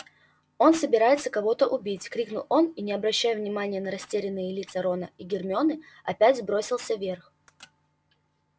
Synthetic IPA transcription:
o̞nsəbʲɪɾajɪt̪səkɐvo̞t̪əʔʊbʲitʲkɾʲiknʊlˠo̞ninʲɪɐbɾɐɕːæjʊvnʲɪmanʲɪjənəɾɐsʲtʲeɾʲɪnːɨjɪlʲit̪səɾo̞nəiɡʲɪrmʲɪo̞nɨ | ɐpʲætʲzbɾo̞sʲɪlˠsʲəvʲe̞rx

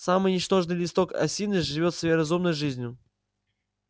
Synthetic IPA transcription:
samɨjnʲɪt͡ʃt̪o̞ʐnɨjlʲɪst̪o̞kɐ̰sʲinɨʐɨvʲo̞t̪svɐjjɾɐzumnəjʐɨzʲnʲjʊ

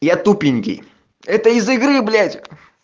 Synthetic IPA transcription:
jat̪upʲɪnʲkʲɪ̰ | ɛt̪əizɨɡɾɨblʲætʲ

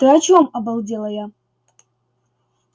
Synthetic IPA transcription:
d̥ɨat͡ʃʰomabalˠdʲelˠɐja

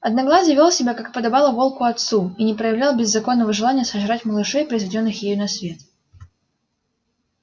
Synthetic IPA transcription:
ɐd̪nɐɡlˠasʲjəvʲolˠsʲɪbʲakakɨ̥pəd̪ɐbalˠəvo̞lˠkʊɐt̪suinʲɪpɾəjɪvlʲalˠbʲɪzːɐko̞nːəvəʐɨlˠanʲɪjəsəʐɾatʲməlˠɨʂɛjpɾəiɪzvʲɪdʲo̞nːɨxjejnɐsvʲe̞t̪

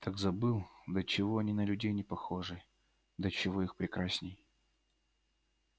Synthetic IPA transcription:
t̪ʰaɡzɐbɨlˠd̪ət͡ɕɪvo̞ɐnʲinəlʲʉdʲejnʲɪpɐxo̞ʐɨ | d̪ət͡ɕɪvoixpɾʲɪkɾasʲnʲɪj

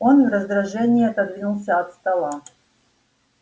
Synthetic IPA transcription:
o̞nvɾəzd̪ɾɐʐɛnʲɪːɐt̪ɐd̪vʲinulˠsʲəɐt̪st̪ɐlˠa

